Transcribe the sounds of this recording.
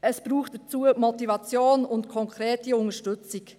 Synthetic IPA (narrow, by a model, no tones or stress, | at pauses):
ʔɛsb̥ɾuːxt̚d̥ət͡suːəmɔtivɑt͡sjoːnʊntkʰɔŋkɾeːtiʊntəʃtʏt͡sɪk